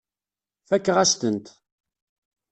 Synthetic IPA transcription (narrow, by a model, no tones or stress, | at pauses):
fækːʁæst̪ənt̪